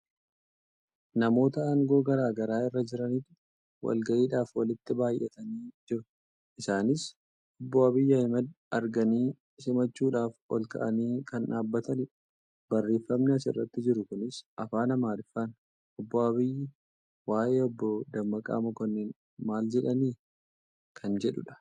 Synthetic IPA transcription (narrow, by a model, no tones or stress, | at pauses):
nɐmo̞ːt̪ɐɐŋɡo̞ːɡɐɾaːɡɐɾaːɪrːɐd͡ʒɪɾɐniːt̪ | wɐ̰lɡɐʔiːᶑaːfwɐlɪt̪ːɪbaːjʔɛt̪ɐniːd͡ʒɪɾʊ | ʔɪsaːnɪs | ɔbːɔɐbɪjːɐɐɪmɐd̪ | ɐɾɡɐniː | sɪmɐt͡ʃːuːᶑaːfɔ̰lkɐ̰ʔɐniːkɐnʔaːbːɐt̪ɐnɪᶑɐ̥ | bɐrːe̞ːfːɐmnɐsɪ̰rːɐt̪ːɪd͡ʒɪɾʊkʊnɪsʔɐfaːnɐmaːlɪfɐn | ʔɔbːɔɐβɪjːɪ | waːʔeːɔbːɔd̪ɐmːɐkʼa̰ːmɐkɔnːen | maːld͡ʒɛᶑɐniː | kʰɐnd͡ʒɛᶑʊ̰ᶑɐ̥